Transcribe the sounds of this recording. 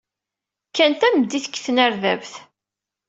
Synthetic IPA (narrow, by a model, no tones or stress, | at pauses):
kːænt̪æmd̪ːiθə̥kːθənæɾðævθ